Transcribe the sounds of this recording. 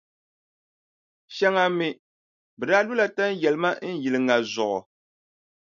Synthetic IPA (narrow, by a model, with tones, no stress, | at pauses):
ʃa˦ŋa˦mɪ˦ | bɛ˨daː˦lu˦la˨ta˦n˦jɛ˨lɨ˨˦ma˦n̩˦ji˨lɨ˨ŋa˨zʊ˨ʔɔ˨